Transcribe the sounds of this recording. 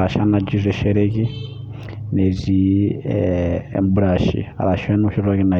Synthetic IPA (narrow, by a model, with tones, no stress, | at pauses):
a˨ʃa˦na˨d͡ʒi˦zʷɛ˨ʃɛ˦ɾeki˦ | nɛ˨zʷi˨ | mbu˦ɺa˨ʃḭ˨a̰˨ɾa˨ʃɛ˦nu˦ʃɛ˦ɾa˦ki˦na˨